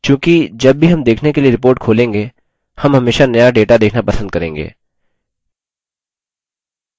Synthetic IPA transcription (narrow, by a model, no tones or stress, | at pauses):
kjũːkid͡ʒɐbːʱiɦɐmd̪eːkʰnekelieɾɪpoːɾʈ̚kʰoːlẽːŋɡe | hɐmɦɐmeːʃanɐjaɖeːʈad̪eːkʰnapɐsə̃nd̪̚kɐɾẽːŋɡḛː